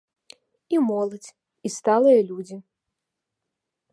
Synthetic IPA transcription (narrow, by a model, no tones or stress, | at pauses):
imɔlˠɐt͡sʲ | ist̪alˠɨjɐlʲud͡zʲi